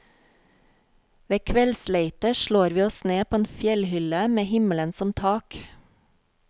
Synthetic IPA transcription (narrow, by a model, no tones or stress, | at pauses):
ʋeːkʰʋɛlsleɪt̪əʃɭoːɾʋiːɔsneːpʰoːeːnfjɛlhʏləmeːhɪmələnsɔmt̪ʰɑːk